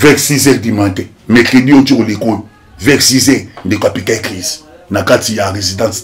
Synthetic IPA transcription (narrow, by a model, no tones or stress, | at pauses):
vɛksizɛdimãntɛ | mɛkediot͡ʃiɣoleko | vɛksizɛndekapitaklez | nakatijaʁezidãs